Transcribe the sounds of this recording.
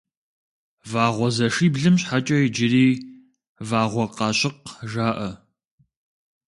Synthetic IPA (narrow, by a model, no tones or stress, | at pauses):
vaːʁʷɔzɐʂiːbɮɨmɕħat͡ʃʼɐjɪd͡ʒɪɾiː | vaːʁʷɔqɑːɕɪqʒaːʔɐ